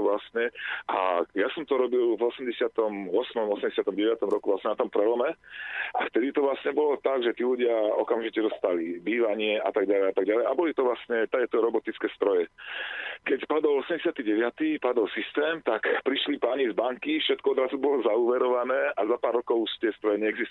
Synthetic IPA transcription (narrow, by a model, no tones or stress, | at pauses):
ʋlasɲɛʔa̰jasɔmt̪ɔɾɔbilvɔsɛmɟɛsɪat̪ɔmɔsmɔmɔsɛmɟɛsɪat̪ɔmɟɛʋɪat̪ɔmɾɔkuvʋlasɲɛnat̪ɔmpɾɛlɔmɛa̰ft̪ɛd̪it̪ɔʋlasɲɛbɔlɔt̪aɡʒɛt̪iːluɟɪaɔ̰kamʒicɛd̪ɔst̪alibiːʋaɲɪɛʔa̰t̪aɡɟalɛjat̪aɡ̚ɟalɛjabɔlit̪ɔʋlasɲɛt̪akɛt̪ɔɾɔbɔt̪it͡skɛːst̪ɾɔjɛ | kɛcpad̪ɔlɔsɛmɟɛs̬ɪat̪iɟɛʋɪat̪ipad̪ɔlsist̪ɛːmt̪akpɾiʃlipaːɲizbaŋkifʃɛt̪̚kɔɔd̪ɾazubɔlɔzauːʋɛɾɔʋanɛːʔazapaːɾːɔkɔʊuʃt̪ɪɛst̪ɾɔjɛɲɛɛɡzist̪